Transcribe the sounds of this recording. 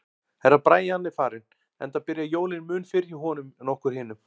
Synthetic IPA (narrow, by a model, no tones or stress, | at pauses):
hɛɾaðpɾaːjanlɪfaːɾɪn | ɛ̰nt̪apɪɾjajoːwlɪnmʏːnfɪɾjɪɦɔːnʏmnɔhkʏɾ̥hɪːnʏm